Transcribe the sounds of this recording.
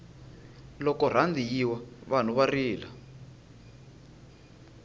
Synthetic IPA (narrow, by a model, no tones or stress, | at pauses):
lɔkɔr̤and̪ijiwaβan̤uβariːla